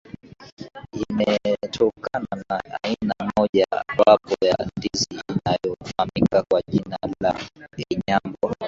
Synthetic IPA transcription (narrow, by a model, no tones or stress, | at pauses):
imɛtʰɔkananaːinamɔʄawapɔjandiziːnajɔfanikakwaʄinala̰ɡɛɲambɔ